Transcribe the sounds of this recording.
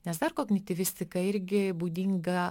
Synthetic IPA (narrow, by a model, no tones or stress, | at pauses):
nʲɛsd̪ɐɾkoːknʲɪt̪ʲɪʋʲɪsʲt̪ʲɪkɐɪɾʲɡʲɪbuːd̪ʲiŋɡɐ